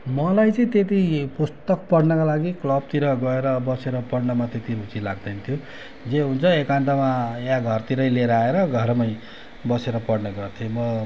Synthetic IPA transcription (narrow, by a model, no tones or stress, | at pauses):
mʌlajt͡sʌĩt̪et̪̬ipust̪ʌk̚pʌɽnʌkalaɡiklʌb̚t̪iɾʌɡʌeɾʌbʌseɾʌpʌɽnʌmat̪et̪iɾut͡silaɡ̚d̪ʌnʌt̪ʰjo | d͡zeɦunt͡sʰʌekand̪amajãɡʱʌrt̪iɾʌjleɾʌaeɾʌɡʱʌɾmʌj | bʌseɾʌpʌɽnʌɡʌrt̪ʰjomʌ